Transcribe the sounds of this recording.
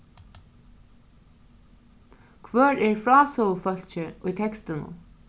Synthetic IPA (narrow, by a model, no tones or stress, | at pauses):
kʰʋœːɹɛɹfɹɑːsɔfœl̥t͡ʃɪʊjt̪ʰɛkst̪ənʊ̰